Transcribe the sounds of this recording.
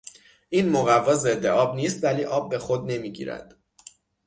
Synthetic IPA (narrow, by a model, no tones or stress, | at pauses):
ʔiːnmoɣævːɒːze̞d̪ːeɒːbniːst̪væliːʔɒːb̚ːe̞xo̞d̪̚ne̞miːɟḭːɾæ̰d̪̥